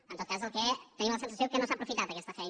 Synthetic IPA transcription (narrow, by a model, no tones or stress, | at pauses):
ənt̪oðkaz̬elˠkɛt̪ɛɲĩmlɐsens̬ɐsjowkenõwsapɾufit̪aɾðəkɛst̪ɐfɛjn